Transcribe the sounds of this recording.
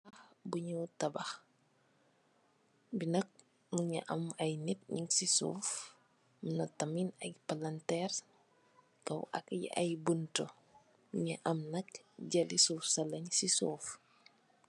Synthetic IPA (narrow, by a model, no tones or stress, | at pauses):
ɐxbuɲutɐbɐx | binɐk̚ | muɲɐ̰ʔɐmɐjnit̚ɲiŋksisṵːf | munɐtɐminɐkpɐlɐntɛːr | kɐwʔɐ̰kɐj̰ɐ̰jbunto | muɲɐʔɐmnɐk | ɟɐlisuːfsɐlɐɲsisuːf